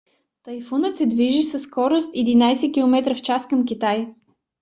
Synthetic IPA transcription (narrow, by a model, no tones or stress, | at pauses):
t̪ɐjfunət̪sɛd̪viʒisəsːkɔɾost̪ɛd̪inajsɛkʲilˠomɛt̪ɾəft͡ʃaskəmkʲit̪aj